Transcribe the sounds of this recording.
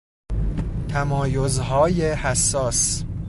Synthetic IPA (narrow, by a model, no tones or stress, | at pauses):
t̪ʰæmɒːjo̞zɦɒːjehæsːɒːs